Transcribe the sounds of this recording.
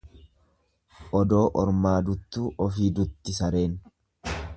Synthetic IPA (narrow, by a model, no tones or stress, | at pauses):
ʔɔd̪o̞ːʔɔɾmaːd̪ʊt̪ːuːʔɔfiːd̪ʊt̪ːɪsɐɾe̞ːn